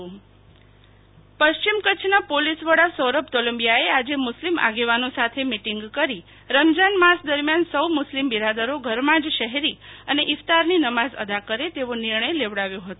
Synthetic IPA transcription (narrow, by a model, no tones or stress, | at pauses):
pəʃt͡ʃimkət͡ʃʰnapolisʋəɽasəɾəpt̪oləmbijaead͡ʒemʊslimʔa̰ɡeʋanosat̪ʰemiʈiŋɡkəɾi | ɾəmd͡ʒanmasd̪əɾmjansəwmʊslimbiɾad̪əɾoɡʱəɾmãd͡ʒʃəɦeɾiəneʔɪst̪aɾninəmazə̰d̪akəɾet̪eʋonɪɾɳəjleʋɽaʋjõɦət̪õ